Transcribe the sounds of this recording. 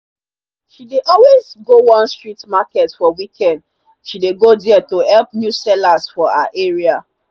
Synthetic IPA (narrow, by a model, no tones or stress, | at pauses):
ʃideʔɔlwezɡowɔ̃nstɹitmakɛtfɔwikʰɛ̃nd | ʃideɡodɛatohɛlpnjusɛlasfɔa̰ʔeɹia